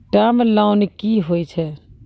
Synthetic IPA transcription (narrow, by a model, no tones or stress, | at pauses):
ʈaːməlaːʊnikiːɦoːit͡ʃʰɛː